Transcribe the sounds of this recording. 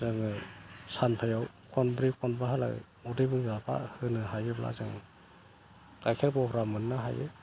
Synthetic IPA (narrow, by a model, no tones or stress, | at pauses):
zɯŋɯsanpʰajaw | kʰɔnbɾikʰɔnbaɦala̰ | ɔdɯbɯŋzapʰa̰hɯnɯɦajɯbla̰zɯŋ | tajkʰeɾbɔhɾamɯnːaɦajɯ̰